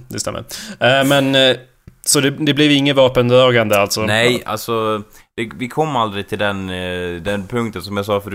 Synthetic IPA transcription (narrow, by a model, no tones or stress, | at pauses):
d̪ɛst̪ɛmːə̰ɾmɛn | sɔd̪ɛd̪ɛblɛvɪŋːənvɑːpənd̪ɾɑːɡand̪əalt̪sɔnɛja̰lsɔ | d̪̥ɛvɪkʰɔmːald̪ɾɪt̪ʰɪld̪ɛnd̪ɛnpʰɵŋk̚t̪ənsɔmjasɑːfœɾ